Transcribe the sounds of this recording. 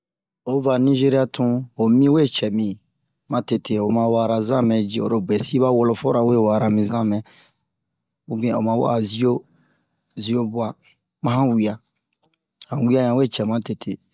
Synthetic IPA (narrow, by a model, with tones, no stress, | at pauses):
o˦va˨nĩ˦ʒe˦ɾi˦a˦tʰũ˦o˨mĩ˦we˦˨t͡ʃɛ˨mĩ˨ | mã˨te˨tʰe˨o˨mã˨wa˨ɾa˨zã˦˨mɛ̃˨d͡ʒi˦˨o̰˨ɾo˨bɛ˨si˦βa˦wo˨lo˨fo˦ɾa˨we˦˨wa˨ɾa˨mĩ˨zã˦˨mɛ̃˨ | u˦bĩ˦˨o̰˨mã˨˦wa̰˦a˨zi˦o˦ | zi˦o˦bu˦a˦ | mã˦hã˦wi˨a˨ | hã˨wi˦a˦ɲã˨we˦˨t͡ʃɛ˨mã˦te˨tʰe˨